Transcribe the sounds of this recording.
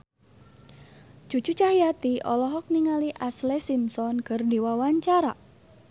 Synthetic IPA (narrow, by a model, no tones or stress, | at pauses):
ʒ̥ṳd͡ʒ̥ṳt͡ʃaɦijat̪iʔɔlɔɦɔk̚niŋaliʔaslesimsɔnkərdiwawaɲt͡ʃaɾa